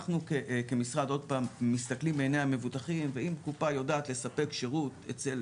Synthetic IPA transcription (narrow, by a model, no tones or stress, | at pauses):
χnukeke̞misʁad̪o̞d̪paːmːist̪aklimːeːnejame̞vut̪aχimveimkupajo̞daːt̪le̞sape̞kʃe̞ʁut̪et͡se̞l